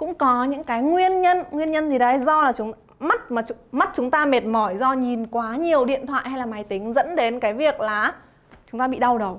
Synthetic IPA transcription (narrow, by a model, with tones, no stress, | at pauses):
kʊ̰˧˥ŋ͡mkɔ˨˦ɲɨ̰˧˥ŋkaː˨˦jŋwi˧ənɲə˧nŋwi˧ənɲə˧nt̪ʰi˨˩ɗə˨˧˦jzɔ˧laː˨˩t͡ɕʊ˨˦ŋ͡m | ma˦˥t̚maː˨˩t͡ɕma˦˥t̚t͡ɕʊ˨˦ŋ͡mt̪aː˧me˨˩t̚mɔ˧˩jzɔ˧ɲi˨˩nkwaː˨˦ɲi˨˩əwɗḭ˧˨ənt̪ʰwa̰ː˧˨jha˧jlaː˨˩maː˨˦jt̪ï˨˦ŋ̟zə̰˧˥nɗe˨˦nkaː˨˦jvi˨˩ək̚laː˨˩ | t͡ɕʊ˨˦ŋ͡mt̪aː˧ɓḭ˧˨ɗa˧wɗə˨˩w